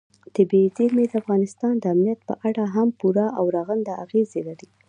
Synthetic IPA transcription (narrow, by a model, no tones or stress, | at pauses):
t̪ɪbed̪emed̪əafɣɑnɪst̪ɑnd̪əamnijat̪̚pə̰ʔaɽaɦampuɾaʔawɾɑɣənd̪aaɣezelaɾi